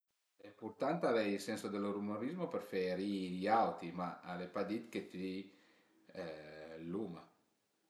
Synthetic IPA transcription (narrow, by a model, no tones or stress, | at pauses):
epuɾt̪ant̪avɛjlsɛnsod̪eloɾumoɾizmopeɾfeɾiiawt̪imaalepad̪it̪ket̪ii | lːuma